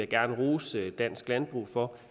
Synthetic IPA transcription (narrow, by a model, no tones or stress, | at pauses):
æɡ̥æɐnəʁuːsd̥æn̰sɡ̥lænb̥ʁṵːfɒ̽